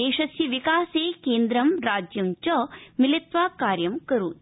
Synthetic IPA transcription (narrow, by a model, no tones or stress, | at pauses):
eːʃɐsjɐʋikaːseːkeːnd̪ɾɐmɾaːd͡ʒjɐmt͡ʃɐmilit̪ʋaːkaːɾjɐmkɐɾuː